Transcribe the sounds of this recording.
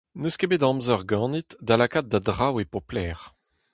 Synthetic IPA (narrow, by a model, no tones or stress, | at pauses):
nøskebed̪ɑ̃mzœʁɡɑ̃ːnit̪d̪alakat̪̚d̪ad̪ʁawepɔplɛːʁ